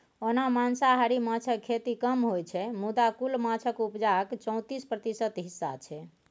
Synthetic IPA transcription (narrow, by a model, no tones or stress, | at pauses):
onamansaɦaɾimat͡ʃʰəkʰːet̪ikəmɦojt͡ʃʰɛmud̪akulmat͡ʃʰəkupd͡ʒakt͡ʃə̃w̃t̪ispɾət̪isət̪ɦisːa̰t͡ʃʰɛ